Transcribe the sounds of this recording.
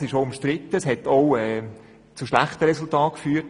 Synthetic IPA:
sɪʃoʊʊmʃtɾɪt̪ːəsɦɛtoʊɛ | t͡suʃlæχtəʁɛsʊltɑːt̚kfyːt

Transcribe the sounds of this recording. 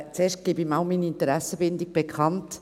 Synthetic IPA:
t͡seːʃtɡ̥ibimɑʊmiːniɪntəɾæsːəbɪndɪɡ̚b̥ekʰχɑnt

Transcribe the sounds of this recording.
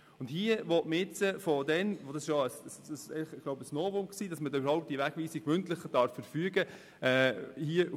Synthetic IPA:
ʊndhiəʋɔtməɪt͡səfɔdɛnʋod̥ɑsɪʃjoəsssɛɪləχɪɡ̥loʊbəsnoːvoksiːd̥ɑsmədɛybəɾhɦɔʊp̚td̥iəʋæɡ̥ʋiːsɪkmʏntlɪχəd̥ɑɾfːəɾfyːɡə | ɛhiə

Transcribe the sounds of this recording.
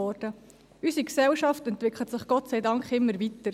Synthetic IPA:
ɔːɾd̥ə | ysiksɛlʃɑftɛntʋɪkʰlətsɪχɡ̥ɔtt͡sæɪdɑŋkχɪmːəɾvitəɾ

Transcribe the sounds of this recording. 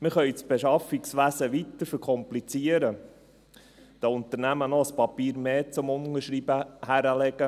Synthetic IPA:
mɪχœʏt͡sb̥eʃɑfiksʋæsəʋit̪əɾfəɾkʰɔmplit͡siːəɾə | d̥ɑʊnt̪əɾnæmənɔspɑpiːɾmeːt͡sʊmʊnəɾʃɾiːbəhæɾəlɛɡ̥ə

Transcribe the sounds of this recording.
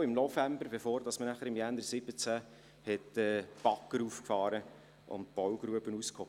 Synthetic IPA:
ɪmnɔfæmbəɾbefoːɾdɑsmənæχəɾɪmjænəɾsɪb̥ət͡sæ | hɛtɛb̥ɑkːəɾuːfkfɑːɾə | ʔʊ̰nt̚b̥ɔwɡɾuəbənuskʰho

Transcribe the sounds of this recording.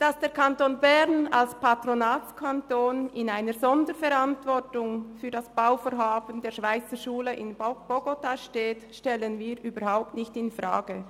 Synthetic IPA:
d̥asd̥eːɐkʰantoːnbɛʁna̰lspatronaːtkʰantoːnɪnaɪnəɾzɔndəɾfɛɾantv̥ɔʁtʊŋfyːɐdasb̥aʊfoːɾɦaːbəndeːɐʃv̥aɪt͡səʃuːləʔɪnb̥oɡotaʃteːtʃtɛlənviːɾʔyːbəɾhaʊp̚tnɪçtɪnfʁa̰ːɡ̥ə

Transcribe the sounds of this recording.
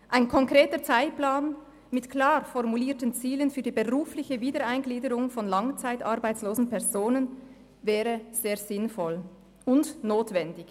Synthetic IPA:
ʔaɪnkʰɔŋkʁ̥eːtət͡saɪt̚plaːn | mɪtkl̥aːʁfɔʁmuliːtənt͡siːlənfyːɐdiːbəʁuːflɪçəviːdəɾaɪnɡliːdəʁʊŋfɔnlɑŋt͡saɪtʔɑʁbaɪt͡sloːzn̩pʰɛʁzoːnən | vɛːʁəz̥eːɐz̥ɪnfɔl | ʊndnoːtv̥ɛndɪç

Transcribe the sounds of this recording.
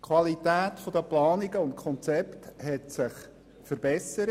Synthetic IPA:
kʰwɑlitæːtfɔd̥̪əplɑːniɡəʊntkʰɔnt͡sɛpthɛtsɪχ | fəɾbɛsəɾə

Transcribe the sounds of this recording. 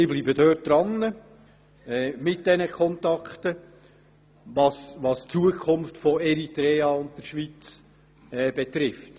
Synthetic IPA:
ɪblibədøːt̚d̪̥ɾɑnːə | ɛːmɪt̚d̥ɛnəkʰχɔntɑkχtə | ʋɑsʋɑst͡suəkʰʊmftfɔɛɾitɾɛːɑʊnt̚d̥əɾʃʋit͡s | ɛːb̥ɛt̪ɾɪft

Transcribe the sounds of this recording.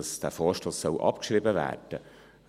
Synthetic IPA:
sd̥æːfoːʃtoːsːœʊʔɑ̰pkʃɾibəvæ̰ːɾd̥ə

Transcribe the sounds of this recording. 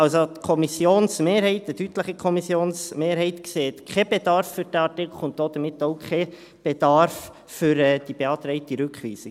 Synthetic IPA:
ɑlsot̪kʰɔmisjoːnsmeːɾhɛɪtətytləχəkʰɔmisjoːnsmeːɾɦɛɪtkseːt̪kʰχɛb̥ed̥ɑɾfːyɾd̥ɛɑtɪkl̩ʊnt̚d̥oːd̥̪əmɪt̪ːoʊkʰχe | b̥edɑɾf | fʏɾɛd̥ib̥eɑːt̪ɾɛɪtiɾʉkχʋiːsɪ

